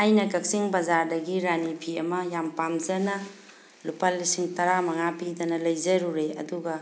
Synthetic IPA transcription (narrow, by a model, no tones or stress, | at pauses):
ajnɐkɐk̚siŋbɐzaɾdɐɡiɾanipʰiɐmɐjampamd͡ʒɐnɐ | lupalːisiŋtɐɾamɐŋapidɐnɐlɐjzɐɾuɾeɐ̰duɡɐ